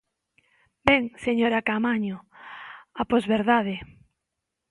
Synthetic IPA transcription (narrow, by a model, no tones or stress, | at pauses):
bɛŋseɲoɾakamaɲo | apozβeɾðaðɪ